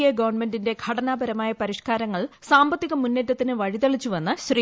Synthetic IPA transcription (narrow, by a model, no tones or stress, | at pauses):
jeɡɐʋɐrɳme̞ndinde̞ɡʱɐɽɐnaːbɐɾɐmaːjɐpɐɾiʂkaːɾɐŋːɐɭsaːmbɐt̪ːiɣɐmunːetːɐt̪ːinɨʋɐɻit̪ɐɭit͡ɕːuʋɐnːɨɕriː